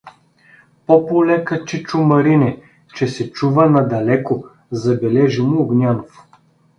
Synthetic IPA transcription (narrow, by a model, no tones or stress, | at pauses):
popolɛkət͡ʃit͡ʃʊmɐɾinɛ | t͡ʃɛsɛt͡ʃuvənɐd̪ɐlɛko | zɐbɛlɛʒimʊːɡnʲanof